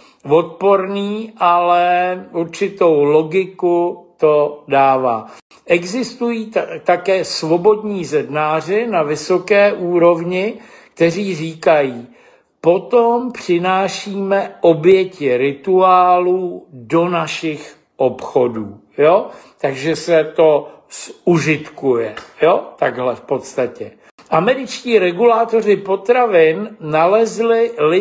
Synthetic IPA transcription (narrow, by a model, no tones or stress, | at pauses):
vo̞t̪̚po̞ɾniːʔalɛuɾt͡ʃɪt̪o̞wlo̞ɡɪkut̪o̞daːvaː | ʔɛɡzɪst̪ujiːt̪akɛːsvo̞bo̞dɲiːzɛdnaːr̝ɪnavɪsokɛːʔuːɾo̞vɲɪ | kt̪ɛriːriːkajiː | po̞t̪ompr̥ɪnaːʃiːmɛʔo̞bjɛcɪɾɪt̪uaːludo̞naʃɪx | ʔo̞pxo̞duː | jo̞t̪aɡʒɛsɛt̪o̞ | suʒɪt̪kujɛjot̪aɡɦlɛfpo̞t̪st̪acɛ | ʔamɛɾɪt͡ʃciːɾɛɡulaːt̪o̞rɪpo̞t̪ɾavɪnnalɛzlɪlɪ